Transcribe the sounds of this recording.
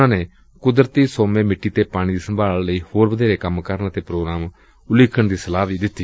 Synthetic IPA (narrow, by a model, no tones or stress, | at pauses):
ãːneː | kʊd̪ɾət̪iːsoːmẽːmɪʈːiːt̪eːpaːɽ̃iːd̪iːsəmbʱaːlləiːhoːɾbəd̪ʱeːɾeːkəmkəɾnt̪eːpɾoːɡɾaːm | ʊlɪkʰəɳd̪iːsəlaːʋiːd̪ɪt̪ːiː